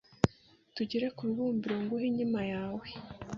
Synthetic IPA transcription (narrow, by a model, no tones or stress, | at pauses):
tuɟeɾekuɾuβuːmbiɾoŋɡuɦiɲimajaːwe